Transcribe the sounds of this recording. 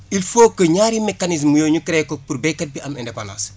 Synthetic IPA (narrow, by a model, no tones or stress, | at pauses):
ilfoːkːəɲaːɾimɛkːanis̬mːujoːɲukɾɛkopurbɛkːɐt̚biʔɐmɛndɛpana̰ːs